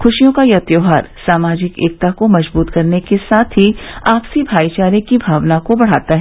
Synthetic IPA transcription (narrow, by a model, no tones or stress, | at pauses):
xʊʃijõkajɐt̪joːɦaːɾsaːmaːd͡ʒɪkḛːk̚t̪akomɐd͡ʒbuːt̪kɐɾnekesaːt̪ʰɦiaːpsibʱaːit͡ʃaːɾikibʱaːʋnakobɐɽ̤aːt̪aɦɛ